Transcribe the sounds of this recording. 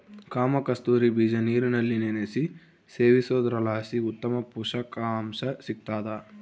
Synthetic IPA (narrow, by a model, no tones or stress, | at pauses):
kaːmɐkɐst̪uːɾibid͡ʒɐniːɾinɐlːinenesi | seːʋisoːd̪ɾɐlaːsiut̪ːɐmɐpuːʂɐkaːmsɐsik̚t̪aːd̪a